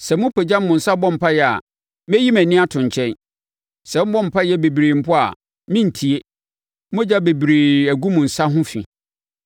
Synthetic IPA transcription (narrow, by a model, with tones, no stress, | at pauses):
sɛ˨mʊ̃˦pʰɛ˨d͡ʑa˦m̩˦mʊ̃˨n̩˨sa˦bɔ̃˦m̩˨pʰa˦jɛ˨a̰˨ | mɛ˦ji˦mæ̃˨nĩ˦a˦tʰʊ̃˨ɲ˨t͡ɕʰɛ̃˦n | sɛ˨m̩˦bɔ̃˦m̩˨pʰa˦jɛ˦be˨bɾeː˨m̩˨pʰʊ˦a̰˨ | mĩ˦n̩˨tʰi˨e˦ | m˦ʊ̃˦d͡ʑa˦be˨bɾeː˨æ˨ɡu˦mʊ̃˨n̩˨sa˦ɦʊ̃˦fḭ̃˨